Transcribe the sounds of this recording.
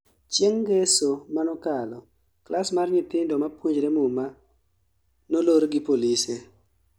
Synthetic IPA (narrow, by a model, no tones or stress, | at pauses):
t͡ʃjeŋɡesomanɔkalɔ | klʔasmarɲɪt̪ɪndɔmapwuɲd͡ʒɾemuma | noloɾɡipolise